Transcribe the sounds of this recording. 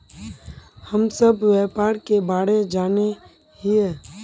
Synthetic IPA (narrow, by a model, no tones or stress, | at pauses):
hɐmsəbʋɛːpaːɾkebaːɽed͡ʒaːne | ɦiɛː